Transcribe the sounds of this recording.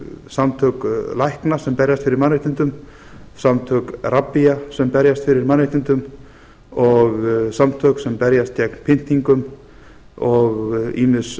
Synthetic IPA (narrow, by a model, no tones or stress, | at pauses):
samt̪ʰœːklajhknasɛmpɛɾjast̪fɪɾɪɾmanːɾeht̪ɪnt̪ʏm | samt̪ʰœkrapːijasɛmpɛɾjast̪fɪɾɪɾmanːɪht̪ɪnt̪ʏm | ɔɣsamt̪ʰœːksɛmpɛɾjast̪jɛkn̥pʰɪn̥t̪iŋkʏm | ɔɣḭːmɪs